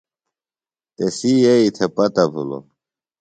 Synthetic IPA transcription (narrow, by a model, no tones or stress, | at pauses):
t̪esijeit̪ʰepɐt̪ɐbʱṵlo̰